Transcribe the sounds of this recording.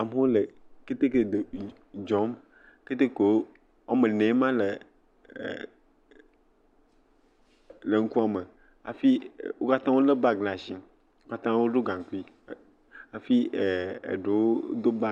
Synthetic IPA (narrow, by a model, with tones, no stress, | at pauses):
a˨me˦wo˦le˨ke˦t̪e˦ke˨d̪e˨ | d͡ʒɔ˨˦m | ke˦t̪e˦ko˨˦ | a˦mẽ˨nɛ̃˨˦mã˦lḛ˨ | le˨ŋ̩˦ku˦a˨me˨ | a̰˨fi˦˨wo˦ka˦t̪ã˦wo˦le˦ba˦ɡla˨si˨ | wo˦ka˦t̪ã˦wo˦ɖo˦ɡã˨ŋ˨ku˦i˦ | a˨fi˦e˨ḛ˨ɖe˨wo˦d̪o˦ba˦